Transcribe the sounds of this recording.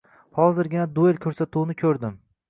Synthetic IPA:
hɒzɪɾɡʲɪnad̪uelʲkʲʰɵɾsat̪ʰuwnɪkʲʰɵɾd̪ɪm

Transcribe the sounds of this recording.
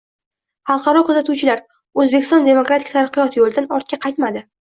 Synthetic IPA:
hɑlˠqʰɑɾɒkʰʊzat̪ʰuwt͡ʃʰɪlaɾ | ɵzbekʲɪ̥st̪ɒ̃nd̪e̞mokɾat̪ʰɪ̥kʲt̪ʰaɾɨqːɨjɒt̪ʰjolˠd̪anɒɾt̪̚kʲaqʰɑjt̪mad̪ɪ

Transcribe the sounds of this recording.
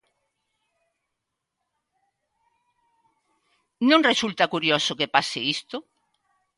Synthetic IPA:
nõŋresult̪akuɾjosokepaseist̪o

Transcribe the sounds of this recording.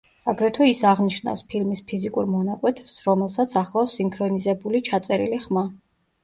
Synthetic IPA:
aɡɾɛt̪ʰuisaʁniʃna̰fspʰilmispʰizikʼuɾmɔnakʼwɛt̪ʰɛsɾɔmɛlˠsat̪sʰaχlˠasiŋkʰɾɔnizɛbulit͡ʃʰat̪sʼɛɾḭliχma

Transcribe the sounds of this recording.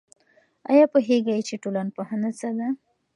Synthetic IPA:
a̰japoɦeɡajt͡ʃeʈolanpohanat͡sad̪a

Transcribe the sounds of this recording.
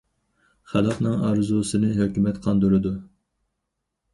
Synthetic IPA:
χælˠɑqnɨŋɑɾzusɨnɨɦøkʲymɛt̪qʰɑnd̪uɾɨd̪u

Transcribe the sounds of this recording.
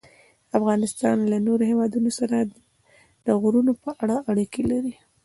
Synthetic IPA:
afɣɑnɪst̪ɑnlanoɾohewɑd̪unosaɾa | d̪̥əɣɾunopəʔaɽaʔaɽikelaɾi

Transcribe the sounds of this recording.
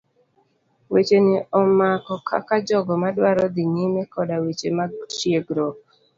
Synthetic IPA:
wet͡ʃenɪɔmakɔkʰa̰kad͡ʒɔɡɔmadwaɾɔd̪ɪɲemɛkɔdawet͡ʃemat͡ʃjeɡɾɔk

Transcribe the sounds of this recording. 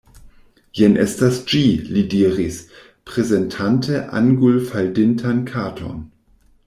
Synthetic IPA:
jɛnʔḛstasd͡ʒilidiːʁis | pʁ̥ezentʰantʰeʔa̰ŋɡulfaldɪntʰankʰaːtʰo̞̰n

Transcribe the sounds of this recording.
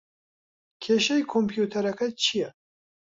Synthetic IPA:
kʰeʃɛjkʰompʰjut̪ʰɐɾɐkʰɐt͡ʃʰijɛ

